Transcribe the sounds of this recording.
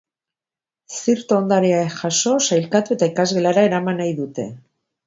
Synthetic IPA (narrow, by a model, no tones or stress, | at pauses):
siɾt̪oond̪aɾiaexaso̞sajlkat̪ue̞t̪aikazɣe̞laɾae̞ɾamanajðut̪e̞̰